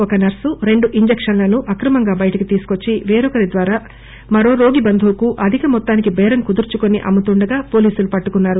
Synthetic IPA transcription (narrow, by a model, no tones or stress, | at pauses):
ɔkɐnɐɾsuɾe̞ɳɖuʔiɲd͡ʒekʂɐnlɐnuʔɐkɾɐmɐŋɡaːbɐjɐʈɐkit̪iːsu̥ko̞t͡ʃːiʋeːɾɔkɐɾid̪ʋaːɾaː | mɐɾo̞ːɾo̞ːɡibɐnd̪ʱuːkuʔɐd̪ʱikɐmɔt̪ːaːnikibɛːɾɐŋkud̪uɾt͡ʃuko̞niʔɐ̰mːut̪uɳɖɐɡaːpo̞ːliːsulupɐʈːukunːaːɾu